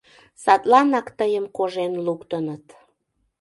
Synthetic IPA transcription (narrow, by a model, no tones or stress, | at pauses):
sɑt̪lɑnɑkt̪əjəmkoʒenlukt̪ənət̪